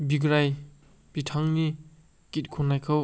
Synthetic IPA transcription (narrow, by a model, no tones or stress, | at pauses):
biɡɾaj | b̥itʰaŋni | kit̚kʰonajkʰaw